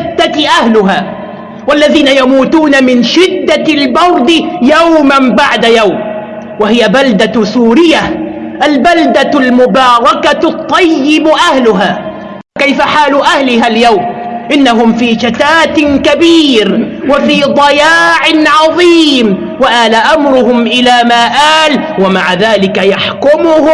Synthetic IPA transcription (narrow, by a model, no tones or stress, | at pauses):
ɪd̪ːaʔahlʊɦaː | walːaðiːnajamuːt̪uːnamɪnʃɪd̪ːalbɑɾˤd̪ɪjawmambaʕd̪ajawm | wahɪjabald̪asuːɾɪjːa | ʔalbald̪almʊbɑːɾˤɑkat̪ˤːɑjːɪbʔahlʊɦaː | fakajfaħaːlʊʔahlɪɦaljawm | ʔɪnːaɦʊmfiːʃat̪aːt̪nkabiːɾ | wafiːd̪ˤɑjaːʕɪnʕɑðˤiːm | waʔaːlaʔamɾʊɦʊmʔɪlaːmaːʔaːlwamaʕaðaːlɪkajaħkʊmʊhʊ